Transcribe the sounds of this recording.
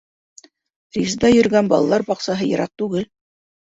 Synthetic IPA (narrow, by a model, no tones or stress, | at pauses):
rʲizd̪ɑjɵ̆ɾɡænbɑlˠɑlˠɑɾbɑqsɑɦɤjɤ̰̆ɾʔɑq̚t̪ʉɡɘl